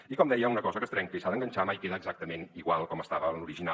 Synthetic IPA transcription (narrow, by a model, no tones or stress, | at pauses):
ikɔmd̪ɛjəunəkɔzəkəst̪ɾɛŋkəisaðəŋɡənʲt͡ʃamajkeðəːɡzak̚t̪əmeniɣwalˠkɔməst̪aβəluɾiʒina